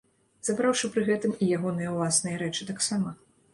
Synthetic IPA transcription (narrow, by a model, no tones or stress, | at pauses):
z̥abɾawʂɨpɾɨɣɛt̪ɨmijaɣɔnɨjɐwlˠasnɨjɐɾɛt͡ʂɨt̪aksamɐ